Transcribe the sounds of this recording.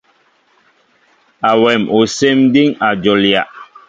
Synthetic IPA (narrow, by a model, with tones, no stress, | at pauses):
a˨wɛ˨mo˨se˦mdi˦ŋa˨d͡ʒo˨lja˨ʔ